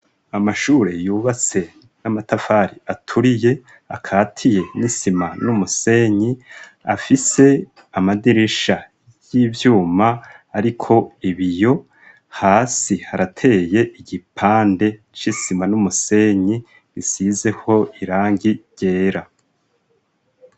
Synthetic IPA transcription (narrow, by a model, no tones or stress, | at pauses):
amaʃuːɾe̞juːβat͡se̞ | namatafaɾiatʰuɾije̞ | a̰kʰaːtʰije̞nisimanumuse̞ɲi | afise̞ | amadiɾeʃa | jiːvjuːmaːɾikʰo̞iβijo̞ | haːsihaɾatʰe̞ːje̞ʔiɟipʰaːnde̞ | t͡ʃisimanumuse̞ɲi | ɾisize̞ho̞iɾaːŋɡiɟ̥e̞ːɾa